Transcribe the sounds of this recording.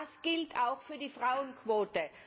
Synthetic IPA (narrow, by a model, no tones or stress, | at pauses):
sɡ̥ɪltʰaʊxfyːɐdiːfʁaʊənkʰv̥oːtə